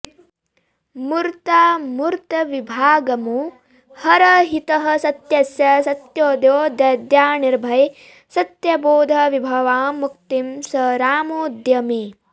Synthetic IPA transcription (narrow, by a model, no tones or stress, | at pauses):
muɾt̪aːmuɾt̪ɐʋibʱaːɡɐmu | hɐɾɐɦit̪ɐɦɐ̆sɐt̪jɐsjɐsɐt̪joːd̪joːd̪ɐd̪jaːniɾbʱɐj | sɐt̪jɐboːd̪ʱɐʋibʱɐʋaːmuk̚t̪imsɐɾaːmoːd̪jɐmi